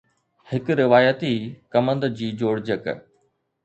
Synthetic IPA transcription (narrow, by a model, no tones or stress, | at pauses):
hɪkɾɪʋaːjət̪ikɐmə̃nd̪d͡ʑiːd͡ʑoːɽd͡ʑək